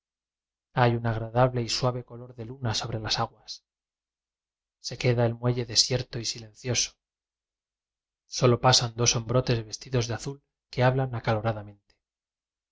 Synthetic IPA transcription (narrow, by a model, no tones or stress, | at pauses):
ajunaɣɾaðaβle̞iswaβe̞ko̞lo̞ɾðe̞lunaso̞βɾe̞lasaɣwas | se̞keðaelmwe̞ʝe̞ðe̞sje̞ɾt̪o̞isilẽ̞nθjo̞so̥ | so̞lo̞pasand̪o̞so̞mbɾo̞t̪e̞zβe̞st̪iðo̞zðeaθul | ke̞aβlanakalo̞ɾaðamẽnt̪e